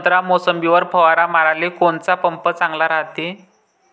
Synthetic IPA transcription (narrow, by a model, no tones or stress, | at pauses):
t̪ɾamosəmbiʋəɾpʰəʋaɾamaɾalekont͡sapəmpət͡sãŋɡlaɾaɦt̪e